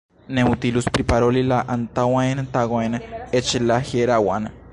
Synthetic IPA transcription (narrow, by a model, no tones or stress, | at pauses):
neut̪iluspɾipaɾolilaʔant̪awaenat̪aɣʷaenaet͡ʃelaheɾawana